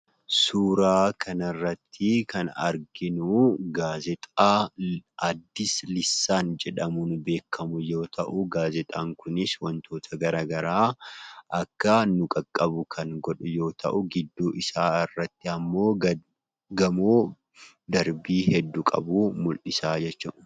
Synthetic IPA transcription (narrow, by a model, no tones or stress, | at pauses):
suːɾaːkʰɐnɐrːɐt̪ːɪkɐnɐ̰ɾɡɪnuɡaːzɛt̪ʼaːʔɐd̪ːɪslɪsːaːnd͡ʒɛᶑɐmunbe̞ːkʰːɐmʊjo̞ːt̪ʰɐʔʊɡaːzɛt̪ʼaːŋkʊnɪswɐnt̪ʰo̞ːt̪ʰɐɡɐɾaːɡɐɾaːʔɐkːɐnʊkʼɐkʼːɐbʊkʰɐŋɡɔᶑʊjo̞ːt̪ʰɐ̰ʔʊɡɪd̪ːuːʔɪsaːɪrːɐt̪ːɪɐmːo̞ː | ɡɐmoː | d̪ɐɾbiːhɛd̪ːukʼɐ̰buːmʊlʔɪsaːd͡ʒɛt͡ʃːɐ̰ʔʊ̥